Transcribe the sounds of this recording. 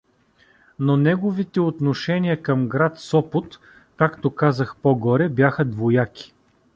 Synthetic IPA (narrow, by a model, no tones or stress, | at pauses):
nonɛɡovit̪ɛot̪noʃɛnijəkəmɡɾat̪sɔpot̪ | kakt̪okazəxpoɡɔɾɛbʲjaxəd̪vojakʲi̥